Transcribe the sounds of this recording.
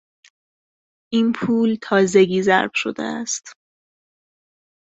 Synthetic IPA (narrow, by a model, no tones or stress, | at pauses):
ʔiːnpʰuːlt̪ʰɒːze̞ɡiːzæ̰ɾb̥ʃo̞̰d̪ḛæst̪